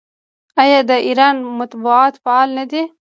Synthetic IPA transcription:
ajɑd̪əʔiɾɑnmat̪buaːt̪faɑːlnad̪e

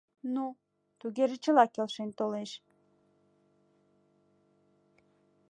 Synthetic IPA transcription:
nu | t̪uɣeʒĕt͡ɕə̆lɑkelʃent̪oleʃ

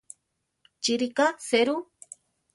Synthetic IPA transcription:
t͡ʃiɾikaseɾu

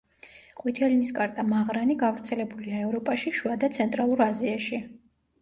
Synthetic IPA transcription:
qʼwit̪ʰɛliniskʼaɾt̪ʼamaʁɾaniɡavɾt̪sʰɛlɛbuliaɛvɾɔpʼaʃiʃuad̪at̪sʰɛnt̪ʼɾalˠuɾaziaʃi

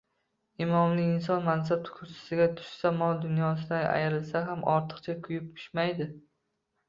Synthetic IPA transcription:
ɪmɒmlɪːns̬ɒnmans̬ab̚t̪ʰʊ̥kʰʊst̪ḁsɪɡʲat̪ʰʊ̥ʃsamɒlˠd̪ʊnjɒs̬ɪd̪ana̰jɾɪlsaɦamʔɒɾt̪ʰɨ̥qt͡ʃʰakʰʊjɪp̚pʰʊ̥ʃmajd̪ɪ

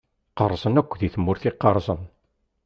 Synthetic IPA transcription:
qəɾˤːzˤənækʷːðiθəmːʊɾθɪqːəɾˤzˤən

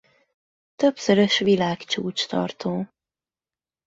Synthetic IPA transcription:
t̪ø̞psøɾøʃʋilaːkt͡ʃuːt͡ʃt̪ɒ̰rt̪oː

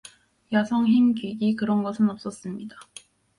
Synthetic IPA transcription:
jasʰʌŋɦimkiɡikɯɾʌnɡʌsʰɯnʌp̚s͈ʌs͈ɯmɲida

